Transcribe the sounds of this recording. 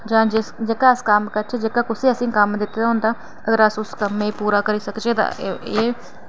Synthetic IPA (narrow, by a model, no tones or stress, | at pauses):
d͡ʒãːd͡ʒɪsd͡ʒeːkaːɪskamkəɾt͡ʃʰed͡ʒeːkaːkʊseːəsĩːkəmd̪ɪt̪ːeːd̪aɦʊ̃nd̪aː | əɡəɾəsʊskəmẽːpuːɾaːkəɾiːsəkt͡ʃeːd̪a̰ːeː